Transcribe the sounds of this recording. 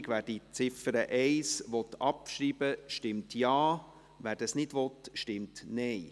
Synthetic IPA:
ɡʋæːɾd̥it͡sɪfəɾəʔɛɪsʋɔt̪ːɑpʃɾiːb̥əʃtɪmtjɑː | ʋæːɾd̥ɑsnɪdʋɔtʃtɪmtnɛɪ

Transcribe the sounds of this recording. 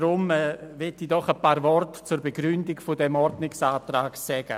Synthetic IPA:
ɾʊmɛːvɪtiːdɔχəpaːɾvɔrtt͡suːɾbeɡɾʏndɪɡfʊdɛmɔɾdnɪksaːtraːksɛɡ̥ə̰

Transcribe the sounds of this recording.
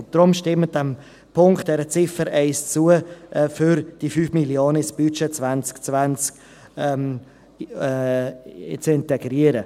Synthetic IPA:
nd̥ɾʊmʃtɪmət̚dɛm | pʰʊŋkt̚d̥ɛɾət͡sɪfəɾɛɪst͡suəʔfyɾd̥ifyːfmiljoːnəɪsb̥yt͡ʃet͡svant͡skt͡svant͡sk | ɛm | t͡sɪntɛɡɾiəɾə

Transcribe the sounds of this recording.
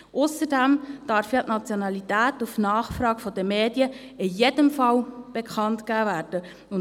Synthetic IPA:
ʔʊsədæmd̥ɑɾfjɑtnɑt͡sjoɔnɑlitæːtufnɑːχfɾɑːɡ̥fɔd̥əmeːdjə | ɪjedəmfɑlb̥ekχɑntkæːvæːrd̥ə | ʊn

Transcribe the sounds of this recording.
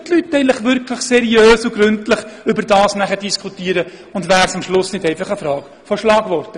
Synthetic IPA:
tlytːɛɪnləχʋʏɾkləχsɛɾiøːsuɡɾʉntləχʏbədɑːsnæχəd̥iskʰutiːəɾə | ʊndvæːɾsɑmʃlʊsnɪdɛɪfɑχəfɾɑːk | fɔʃlɑːɡ̥ʋɔrtə

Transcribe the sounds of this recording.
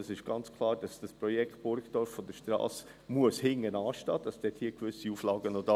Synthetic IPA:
sɪʃɡ̥ɑnt͡skʰlˠɑːɾd̥ɑsd̥ɑspɾɔjɛkχt̚b̥ʊɾktɔɾfːɔd̪əʃtɾɑ̰ːs | muəshɪŋːənɑːʃtɑːd̥ɑsd̥ɛthiːəkʋʏsiuːflɑːɡənodɑ

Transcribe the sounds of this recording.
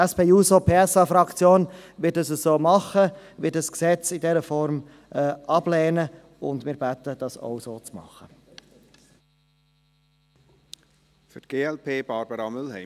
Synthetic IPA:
ɛspeːuːsopʰeːɛsɑfɾɑkt͡sjoːnʋɪt̚dɑsəssoːmɑχəʋɪtdɑsksɛt͡sɪdɛɾəfɔɾm | ɛːʔɑb̥lɛːnə | ʊndmɪːɾbæt̪əd̥ɑso̰ʊsoːt͡smɑ̰χə | fʏtɡ̥eːɛlpʰeːb̥ɑɾb̥əɾɑmʏlhɛɪ

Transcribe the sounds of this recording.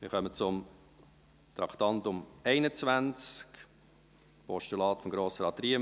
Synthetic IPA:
mɪ̰χœmət͡sʊm | t̪ɾɑkt̪ɑntʊmɛɪnət͡svænt͡sk | pɔʃtylɑːtfɔmɡɾoːsəɾɑt̪riə

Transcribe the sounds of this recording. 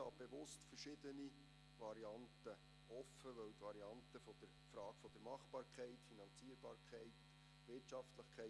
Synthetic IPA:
ɑ̰ːb̥eʋʊstfərʃɪd̥̪əni | ʋɑɾiɑntə | ɔfəʋœwtʋɑɾiɑntəfɔd̥əɾfɾɑːɡ̥fɔd̥əɾmɑχb̥ɑːɾkʰɛɪtfinɑnt͡siːəɾbɑːɾkʰɛɪt | ʋɪrtʃɑftləχkʰɛɪ

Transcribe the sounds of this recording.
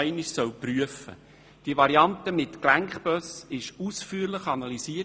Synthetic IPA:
ɪnɪʃsœwpryəfə̰ | d̥iəvɑɾiɑntəmɪtklæŋkχb̥œsɪʃuːsfyːɾlɪχɑnɑlisiː

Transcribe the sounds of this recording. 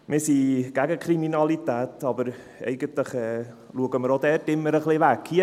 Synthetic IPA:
mɪːɾsiːɡ̥æɡəkʰɾiminɑlitɛːtɑbəɾ | ɛ̰ɪɡəntləχɛː | luəɡəməɾodɛːɾtɪmːəɾəχlɪʋækhiə

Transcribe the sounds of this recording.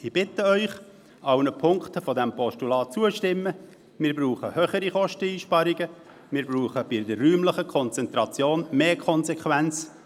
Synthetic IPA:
ɪb̥ɪtəœʏχ | ɑʊnəpʰʊŋktəfɔdɛmpɔʃtulɑːt͡suəʃtɪmːə | mɪːɾbruːχəhøːχəɾiχɔʃtəiːʃpɑɾɪɡə | mɪːɾbɾuːχəb̥ɪdərryːmləχəkʰɔnt͡sɛnt̪ɾɑt͡sjoːnmeːkʰɔnsɛkʰʋænt͡s

